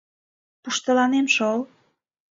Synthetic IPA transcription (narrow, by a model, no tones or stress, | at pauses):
puʃt̪əlɑnemʃol